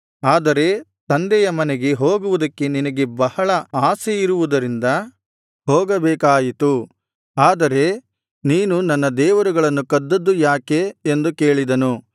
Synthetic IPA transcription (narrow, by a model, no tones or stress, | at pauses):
aːd̪ɐɾe̞t̪ɐnd̪ɛjɐmɐneɡe̞ɦoːɡuʋud̪ɐkːe̞ninɐɡe̞bɐhɐɭɐaːseiɾuʋud̪ɐɾind̪ɐ | ɦoːɡɐbɛːkaːjit̪u | aːd̪ɐɾe̞ | niːnunɐnːɐd̪ɛːʋɐɾuɡɐɭɐnːukɐd̪ːɐd̪ːujaːke̞ːnd̪uke̞ːɭid̪ɐnu